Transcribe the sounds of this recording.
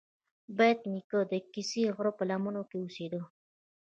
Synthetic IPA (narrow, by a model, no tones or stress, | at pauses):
bajt̪nikəd̪əkisiɣɾopəlamunokeused̪ə